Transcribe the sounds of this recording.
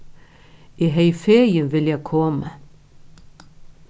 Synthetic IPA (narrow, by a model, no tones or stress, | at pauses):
æɦæifeɐjəʋeljækʰɔmə